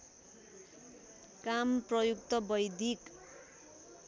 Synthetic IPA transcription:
kamprʌjuk̚t̪ʌbʌjd̪ik

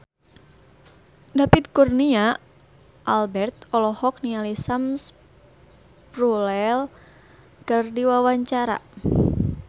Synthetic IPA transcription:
dapit̪̚kurnia | ʔalbɛrt̪ɔlɔhɔk̚nialisams | prulɛl | kərdiwawaɲt͡ʃaɾa̰

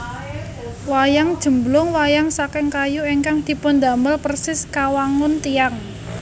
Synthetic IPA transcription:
wajaŋd̥ʒ̥ə̤mblʊŋwajaŋsakɪŋkajueŋkaŋd̪̥i̤pʊnd̪a̤məlpərsɪskawaŋʊnt̪iaŋ

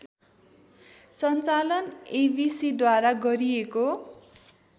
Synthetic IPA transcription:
sʌnt͡salʌnebisid̪waɾaɡʌɾieko

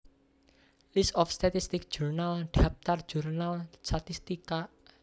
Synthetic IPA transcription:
lisɔfst̪at̪ist̪ɪk̚d͡ʒ̥urnalɖ̥ap̚t̪ar̥d͡ʒ̥urnalsat̪ist̪ika

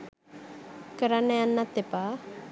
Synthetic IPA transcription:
kəɾanːejanːat̪ːepa

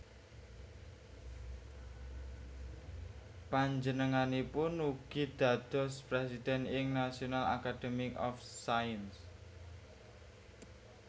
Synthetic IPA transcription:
paɲd͡ʒənəŋanipʊnuɡ̥i̤d̪̥a̤d̪̥ɔ̤spɾesid̪̥ɛ̤nɪŋnasionala̰kad̪̥emikɔfsajəns

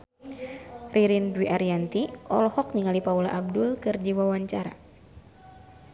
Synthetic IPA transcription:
riɾindwiʔaɾiant̪iʔɔ̰lɔhɔk̚ɲiŋalipaulaʔab̚dʊlkɨrd͡ʒiwawaɲt͡ʃaɾa̰

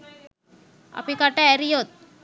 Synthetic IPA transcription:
a̰pikaʈaɛɾijot̪̚

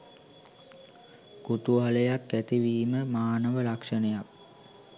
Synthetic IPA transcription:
kut̪uɦaləjakːæt̪iʋiːməmaːnəʋəlakʂənəjak̚

